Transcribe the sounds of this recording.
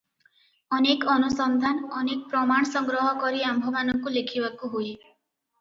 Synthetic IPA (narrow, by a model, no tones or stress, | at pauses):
ɔnekɔnusɔnd̪ʱanɔnek̚pɾɔmaɳ̃ɔsɔŋɡɾɔɦɔkɔɾiambʱɔmanɔŋkulekʰibakuɦui